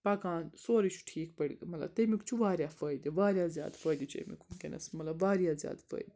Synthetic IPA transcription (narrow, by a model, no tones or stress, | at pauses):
paːkaːnsoːɾit͡ʃʰu̥ʈʰiːk̚pɐɽiɡmɐlɐ̰t̪emikt͡ʃʰuʋaːɾʲjaːfɐːjd̪iʋaːɾjaːzʲja̰ːd̪fəːjd̪it͡ʃḛmḭkʰumkʲinʔɐ̰smɐlɐbʋaːɾijaːzja̰ːd̪fɐ̰ːjd̪i